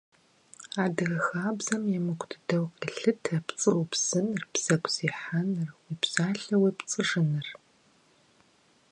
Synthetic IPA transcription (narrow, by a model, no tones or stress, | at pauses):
aːdɨɣɐxaːbzɐmjɛmɨkʷʰʼdʰɨdɐwqʼɐɬɨtʰɐpt͡sʼɨwpz̥ɨnɨrpz̥ɐkʷʰʼz̥iːħanɨrwipz̥aːɬɐwipt͡sʼɨʐɨnɨr